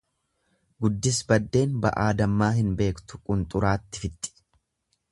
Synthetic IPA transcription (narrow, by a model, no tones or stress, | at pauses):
ɡʊd̪ːɪsbɐd̪ːe̞ːnbɐ̰ʔaːd̪ɐmːaːɦɪnbe̞ːkt̪ʊ̥kʼʊnt̪ʼʊɾaːt̪ːɪfɪt̪ːɪ̥